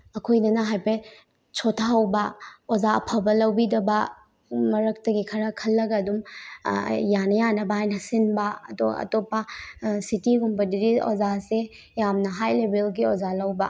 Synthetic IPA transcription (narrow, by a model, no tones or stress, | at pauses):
ɐkʰojnɐnɐɦajpe | sʰotʰaɐwbɐozaɐpʰɐbɐlɐwbidɐbɐ | mɐɾɐk̚tɐɡikʰɐɾɐkʰɐlːɐɡɐdum | janɐjanɐbɐɦajnɐsinbɐɐtoɐ̰topɐsitiɡumpɐdiɾio̰zase | jamnɐɦajlebelɡiozalɐwbɐ